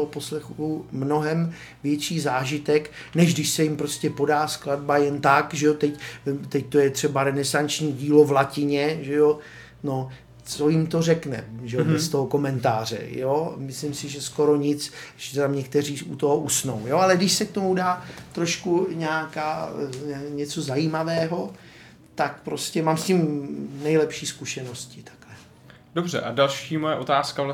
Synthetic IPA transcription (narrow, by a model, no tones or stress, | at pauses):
oɦoposlɛxumno̞ɦɛm | vjɛt͡ʃiːzaːʒɪt̪ɛk | nɛʒɡdɪʃsɛjɪmpɾoscʲɛpo̞daːskladbajɛnt̪akʒɛot̪ɛct̪ɛc̚t̪o̞jɛt̪r̝̥ɛbaɾɛnɛsant͡ʃɲiːɟiːlo̞vlacɪɲɛʒɛjo | no | t͡sojɪmt̪o̞rɛknɛ̰ʒɛobɛst̪oɦoko̞mɛnt̪aːr̝ɛ̰jomɪslɪmsɪʒɛsko̞ɾo̞ɲɪt͡sʒɛt̪amɲɛkt̪ɛr̝iːut̪oɦoʔusno̞̰wjoalɛɡdɪʃsɛk̚t̪o̞mudaːt̪ɾoʃkuɲɛakaː | ɲɛt͡so̞zajiːmavɛːɦo̞ | t̪ak̚pɾo̞scɛmaːmsciːmnɛjlɛpʃiːskuʃɛno̞scɪt̪ʰḁklɛ | dobrɛ̰ʔadalʃiːmojɛʔot̪aːskavla